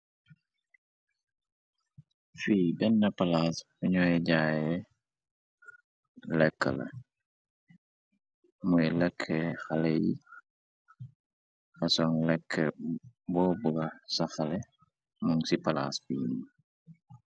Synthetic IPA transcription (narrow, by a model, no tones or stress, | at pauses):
fiːbɛnːɐpɐlaːsfuɲɔːjɛɟaːjɛ | lɛkːə̰lɐ̰ | mujɛlɛkʰːɛxɐlɛjḭ | xɐsɔŋlɛkʰːɛbɔːbuɡɐsɐxɐlɛ | muŋsipɐla̰sfini